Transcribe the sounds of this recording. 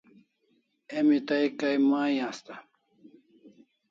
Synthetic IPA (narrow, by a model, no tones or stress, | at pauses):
emit̪ajkajmajãst̪a